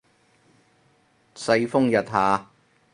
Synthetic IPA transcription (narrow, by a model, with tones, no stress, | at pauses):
sɐ˧jfʊ˥ŋjɐ˨t̚haː˨˧